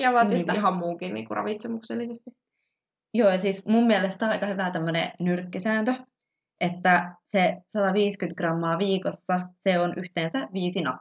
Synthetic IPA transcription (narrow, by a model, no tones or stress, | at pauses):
jɑʋɑːˑt̪iist̪iɦɑmmuːkinnḭːŋkurɑ̰ʋit̪semukselːisest̪i | joːjɑsiːsmumːiɛlest̪oɑikɑhyʋæt̪æmːønḛnyrkːisæːnt̪ø | et̪ːæsesɑt̪ɑʋiːskynt̪ɡ̥rɑmːɑːʋiːkosːɑseonʔyht̪eːnsæʋiːsinɑ̰pː